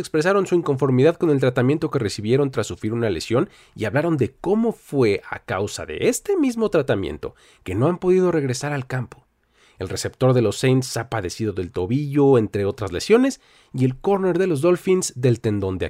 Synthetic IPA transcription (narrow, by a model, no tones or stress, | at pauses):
ekspɾe̞s̬aɾo̞nsuiŋko̞ɱfo̞ɾmiðaðko̞nelt̪ɾat̪amje̞nt̪o̞ke̞re̞siβje̞ɾo̞nt̪ɾasːufɾiɾunale̞̰sjo̞n | ḭaβlaɾo̞nd̪e̞ko̞mo̞fwe̞ʔa̰kawsa̰ðe̞̰ʔest̪e̞mizmo̞t̪ɾat̪amjḛnt̪o̞̰ | ke̞no̞ampo̞ðið̞o̞re̞ɣɾe̞saɾalkampo | e̞lre̞se̞pt̪o̞ɾðe̞lo̞sːejnt̪sapaðe̞siðo̞ðe̞lt̪o̞βiʝo̞e̞nt̪ɾe̞o̞t̪ɾazlesjo̞ne̞s | ie̞lko̞ɾne̞ɾðe̞lo̞zðo̞lfinzd̪e̞lt̪e̞nd̪o̞nd̪ea̰